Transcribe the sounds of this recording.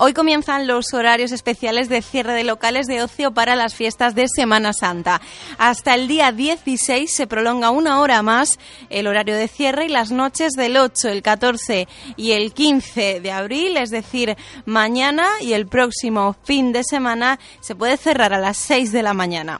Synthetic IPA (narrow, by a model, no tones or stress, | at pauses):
o̞jko̞mje̞nθanlo̞so̞ɾaɾjo̞s̬e̞spe̞θjale̞zðe̞θje̞reð̞e̞lo̞kale̞zðe̞o̞θjopaɾalasfje̞st̪azðe̞se̞mãnasant̪a | ast̪ae̞ld̪iaðje̞θise̞jsːe̞pɾo̞lo̞ŋɡaunao̞ɾamas | e̞lo̞ɾaɾjoð̞e̞θje̞re̞ilazno̞t͡ʃe̞zðe̞lo̞t͡ʃo̞elkat̪o̞ɾθe̞ie̞lkinθe̞ðeaβɾile̞zðe̞θiɾmãɲãnaie̞lpɾo̞ksimo̞find̪e̞se̞mãna | se̞pwe̞ðeθe̞raɾalasːe̞jzðe̞lamãɲãna̰